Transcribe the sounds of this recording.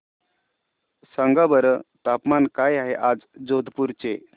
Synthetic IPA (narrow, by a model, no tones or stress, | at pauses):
səŋɡabəɾət̪apmankajaɦeʔad͡zd͡zod̪ʱpuɾt͡ɕe